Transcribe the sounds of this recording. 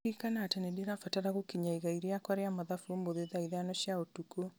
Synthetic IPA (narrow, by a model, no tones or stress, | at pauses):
ikanatɛnɛdeɾafataɾaɣokiɲaiɣaiɾeakwaɾeamaðafuomboðeðaiðanɔʃjaotuko